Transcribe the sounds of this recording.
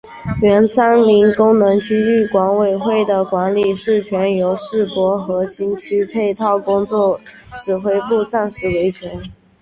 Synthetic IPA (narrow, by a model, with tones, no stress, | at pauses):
ɥɛ˧˥nsa˥nli˧˥ŋkʊ˥ŋnɤ˧˥ŋt͡ɕʰy˥y˥˩kwɑ˧˥ŋwe˨˩ɪxwe˥˩ɪd̪ə˩kwa˧˥nli˨˩ʂɻ̩˥˩t͡ɕʰɥɛ˧˥njo˧˥ʊʂɻ̩˥˩kwɔ˧˥xɤ˧˥ɕi˥nt͡ɕʰy˥pʰe˥˧ɪt̪ʰɑ˥˩ʊkʊ˥ŋt͡swɔ˥˩ | ʈ͡ʂɻ̩˨˩xwe˥ɪpu˥˧t͡sa˥˩nʂɻ̩˥˩we˧˥ɪt͡ɕʰɥɛ˧˥n